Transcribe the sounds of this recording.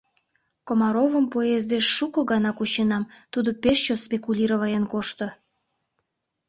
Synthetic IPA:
komɑɾovəmpoezd̪eʃːukoɣɑnɑkut͡ɕenɑmt̪ud̪opeʃt͡ɕospʲekulʲiɾoβɑjenkoʃt̪ŏ

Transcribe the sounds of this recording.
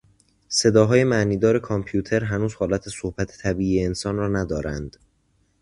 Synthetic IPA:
se̞d̪ɒːɦɒːje̞mæʔniːd̪ɒːɾe̞kʰɒmpʰjuːt̪ʰe̞ɾɦænuːz̥hɒːlæt̪ʰesohbæt̪ʰe̥t̪ʰæbiːʔiːeensɒːnrɒːnæd̪ɒːɾænd̪̥

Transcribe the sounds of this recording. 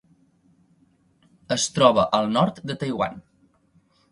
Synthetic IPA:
əst̪ɾɔβəʔəlˠnɔɾt̪d̪ət̪əjwa̰n

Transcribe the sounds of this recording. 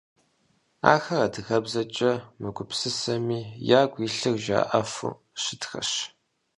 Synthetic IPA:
a̰ːxɐrɐdɨɣɐbzɐt͡ʃʼɐmɨɡʷʊpsɨsɐmiːjaːɡʷiːɬɨrʒa̰ːʔɐfṵ | ʃɪtxɐ̰ɕ

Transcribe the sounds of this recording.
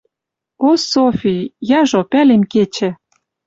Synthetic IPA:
osofʲijɑʒopælemket͡ɕɘ̆

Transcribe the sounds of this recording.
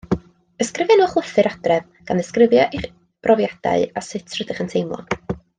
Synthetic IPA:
əskrɪvjanuːχwəθɨɾad̥rɛv | ɡ̥anəskrɪvjɔʔiχ | b̥rɔvjad̥a̰ɨasɪtʰrədɪχəntʰejmlˠɔ̰

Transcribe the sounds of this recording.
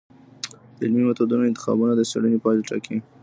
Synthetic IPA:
d̪̥əɪlmimat̪od̪unoɪnt̪ɪ̥xɑ̰bunad̪əsa̰ɽənepɑleʈa̰kʰi

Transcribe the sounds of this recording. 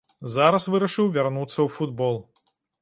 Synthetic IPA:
zaɾɐsvɨɾɐʂɨwvʲarnut̪sːɐwfud̪bɔlˠ

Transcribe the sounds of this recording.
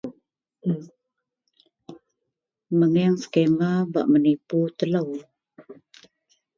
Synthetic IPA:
məŋɛŋsə̥kemaba̰ʔməniput̪ələw

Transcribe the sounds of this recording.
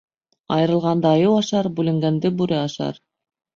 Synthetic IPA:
ɑjɤ̆ɾɤ̆lˠʁɑnd̪ɑːjɤwɑʃɑɾbʉlɘ̆ŋɡænd̪ɘbʉɾɘɑʃɑ̰ɾ

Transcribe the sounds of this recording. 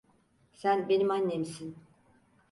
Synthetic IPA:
sænbe̞nimanːe̞misin

